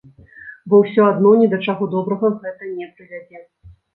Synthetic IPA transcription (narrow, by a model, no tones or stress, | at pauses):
bɔwsʲɔad̪nɔnʲɛd̪ɐt͡ʂaɣɔd̪ɔbɾɐɣɐɣɛt̪ɐnʲɛpɾɨvʲad͡zʲɛ